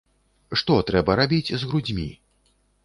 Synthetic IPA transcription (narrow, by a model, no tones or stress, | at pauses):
ʂt̪ɔt̪ɾɛbɐɾabʲit͡sʲzɣɾud͡zʲmʲḭ